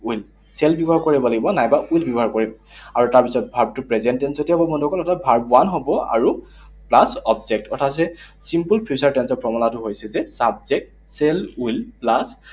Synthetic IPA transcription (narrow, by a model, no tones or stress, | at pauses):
ul | sɛlbiɔbɔɦaɹkoɹibɔlaɡibɔnajbaʔujlbjɔbɔɦaɹkoɹibɔ | aɹutaɹpisɔt̚bʱabtʊpɹɛzɛntɛnsotiaɦɔbɔbɔndɔkɔlɛtʰabʱaɹbʊanɦobɔa̰ɹu | plasɔbzɛk̚tɔtʰasɛsimpulpʰiusaɹtɛnsɔpɹɔmɔlatʊɦojsɛzɛsab̚zɛk̚t | sɛlulplas